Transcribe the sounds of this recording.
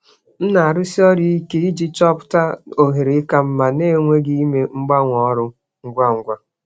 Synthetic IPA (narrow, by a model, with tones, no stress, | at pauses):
n̩˦na˨a˨ɾʊ˦si˦ɔ˦ɾi˦i˦ke˦i˦d͡ʒi˦t͡ʃɔ˦pʊ̥˦ta˦o˨ɦe˨ɾe˨˦ka˦m̩˦ma˨ne˦˨ŋʷe˦ɡɪ˦i˦me˦ŋ͡m̩˦ɡ͡ba˦ŋʷɔ˦ɾʊ˦ | ŋ̩˦ɡʷa˦ŋ̩˦ɡʷa˦